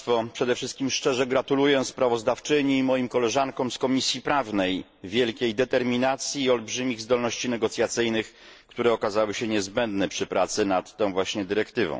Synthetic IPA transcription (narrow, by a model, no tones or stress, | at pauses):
t̪fɔpʂɛd̪ɛfʂɘst̪̚kʲimʂt͡ʂɛʐɛɡɾat̪ulujɛspɾavɔzd̪aft͡ʂɘɲiːmɔjimkɔlɛʐankɔ̃w̃skɔmʲisʲjipɾavnɛj | vʲjɛlkʲejd̪ɛt̪ɛɾmʲinat̪sʲjiːɔlbʐɘmʲiɣzd̪ɔlnɔɕt͡ɕinɛɡɔt̪sʲjat̪sɘjnɘx | kt̪uɾɛɔkazawɘɕɛɲɛzbɛnd̪nɛpʂɘpɾat̪sɘnat̪ːɔ̃w̃vwaɕɲɛd̪ɘɾɛkt̪ɘvɔ̰̃w̃